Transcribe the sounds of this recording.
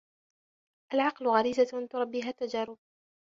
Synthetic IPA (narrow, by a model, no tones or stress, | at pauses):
ʔalʕɑqlʊɣaɾiːzat̪ʊɾˤɑbːiːɦaːt̪ːad͡ʒaːɾʊb̚